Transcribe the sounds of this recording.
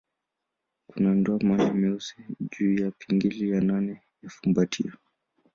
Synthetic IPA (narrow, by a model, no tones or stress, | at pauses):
kunandɔamanimiusiʄuːjapʰiŋɡilijananɛ | jafumbatʰḭɔ